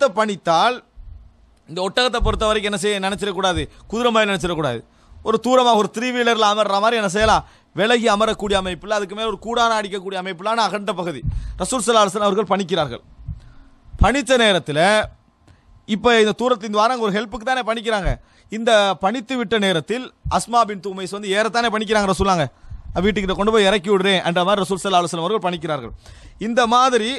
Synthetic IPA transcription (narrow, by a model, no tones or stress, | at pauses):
t̪ːɐpːɐɳɪt̪ːaːl | ɪnd̪ɐɔʈːɐɣɐt̪ːɐp̬ɔɾɯt̪̬ːɐʋɐɾɐkːɯɛnːɐsɛjːɐnɪnɐt͡ʃːɪɾɐkːuːɽaːðɯkʊðɪɾɐmaːjɪnɐnɐt͡ʃːɪɾɐkːuːɽaːðɯ | ɔɾɯt̪uːɾɐmaːɣɐɔɾɯt̪ɪɾiːʋiːlɐɾɪlamɐɾɾaːmaːd̪ɾiɛnːɐs̬ɛjɐlãː | ʋɛɭɐɣiɐmɐɾɐkːuːɽɪjɐːmɐɪpːɯlɐɐðɯk̬ːɯmeːlɔɾɯkuːɽaːnɐːɽɪkːɐk̬ːuːɽɪjɐːmɐɪpːɯlaːnaːɣɐɳɖɐpːɐɣɯðiɾɐsuːlsɐlːaːɾɐsɐlnɐʋɐɾɣɐɭpɐɳɪk̬ːɪɾaːɾɣɐ̰ɭ | pɐɳɪt̪ːɐneːɾɐt̪ːɪlɐ | ɪpːɐɪnd̪ɐt̪uːɾɐt̪ːɪlɪnd̪ɐʋaːɾaːŋɡɐɔɾɯɦɛlpɯkːɯt̪ːaːneːpɐɳɪk̬ːɪɾaːŋɡɐ | ɪnd̪ɐpɐɳɪt̪ːɯʋɪʈːɐneːɾɐt̪ːɪlʔɐsmaːbɪnt̪uːmɐɪsʋɐnd̪ɯeːɾɐt̪̬ːaːneːpɐɳɪk̬ːɪɾaːŋɡɐɾɐsuːlaːŋɡɐɐʋiːʈ̬ːɯkːɪʈːɐkɔɳɖɯp̬oːjɪɪɾɐkːɪʋɪɽɯɾẽːʔɐndrɐmaːɾɪɾɐsuːlsɐlːaːɐɭɐsɐlɐmɐʋɐɾɣɐɭpɐɳɪk̬ːɪɾaːɾɣɐ̰ɭ | ɪnd̪ɐmaːðɪɾi